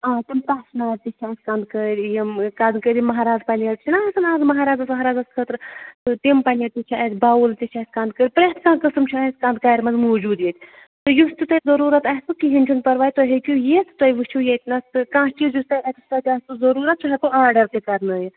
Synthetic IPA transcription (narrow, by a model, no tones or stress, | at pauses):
ãːt̪impaːʃnaːɾt̪it͡ʃʰaːsʲkãnd̪kəɾʲjɐmkad̪kəɾʲimɐɦaːɾaːzpɐlɐt̪t͡ʃʰinaɐsɨnaːzmɐɦaːɾaːzɐsmɐɦaːɾaːzɐskʰət̪ɾt̪ɨt̪impɐlʲɐɾt̪it͡ʃʰiat̪ʲbaːult̪it͡ʃʰʲasʲkãnd̪̚kəɾʲpɾet̪ʰkãːkəsɨmt͡ʃʰiɐsʲkãːnd̪̚kaːɾʲmɐzmoːd͡ʒuːd̪jet̪ʰʲ | t̪ɨjust̪it̪ɐzɐɾuːɾɐt̪aːst̪ukiɦint͡ʃʰunpɐɾʋaːjt̪oɦekʲujeːsʰt̪ɐjʋɨt͡ʃʰujet̪ʲnɐst̪ɨkãːkid͡ʒust̪ɐjɾaːt̪usɐt̪ʲaːst̪uzɐɾuːɾɐt̪̚t͡ʃʰuɦek̪uaːɾɖɐɾt̪ekɐɾnɐːj